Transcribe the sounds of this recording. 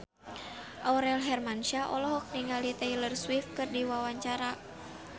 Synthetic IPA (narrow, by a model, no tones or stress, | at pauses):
ʔɔwɾɛlɦɛrmanʃaʔɔ̰lɔɦɔk̚niŋalit̪ɛilərswift̪̚kɨrdiwawaɲt͡ʃaɾa